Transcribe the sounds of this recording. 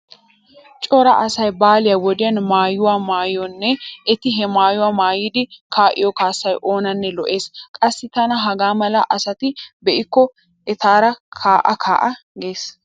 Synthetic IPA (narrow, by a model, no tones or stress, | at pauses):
t͡ʃʼɔɾɐ̰ʔɐsɐjbaːlɪjɐwɔd̪ɪjɐnmaːjʊwaːmaːjɔnːɛʔɛt̪ɪɦɛmaːjʊwaːmaːjɪd̪ɪkʰaːʔɪ̰jɔkaːsːɐjʔo̞ːnɐnːɛlɔʔe̞ːskʼɐsːɪt̪ɐnɐɦɐɡaːmɐlɐ̰ʔɐsɐt̪ɪbɛʔɪkːɔ | ʔɛt̪aːɾɐkʰaːʔɐkʰa̰ːʔɐ | ɡeːs